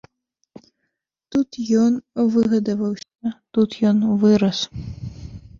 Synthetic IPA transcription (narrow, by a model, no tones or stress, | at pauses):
t̪ut̪jɔnvɨɣɐd̪ɐvɐwsʲɐt̪ut̪jɔnvɨɾɐs